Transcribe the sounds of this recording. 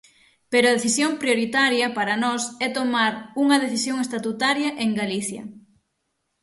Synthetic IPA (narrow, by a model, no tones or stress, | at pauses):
peɾʊɐðeθisjoŋpɾjoɾit̪aɾjɐpaɾɐnɔsɛt̪omaɾuŋɐðeθisjoŋest̪at̪ut̪aɾjɐʔeŋɡaliθjɐ̰